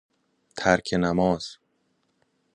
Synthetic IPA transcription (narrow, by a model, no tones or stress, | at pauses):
t̪ʰæɾkʰenæmɒːz̥